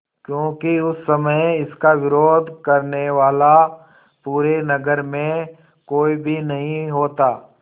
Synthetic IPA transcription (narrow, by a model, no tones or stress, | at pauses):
kjõːkiʊsːɐməɪskaʋɪɾoːd̪ʱkɐɾneʋaːla | puːɾenɐɡəɾmẽ | koːibʱinɐɦĩɦoːt̪aː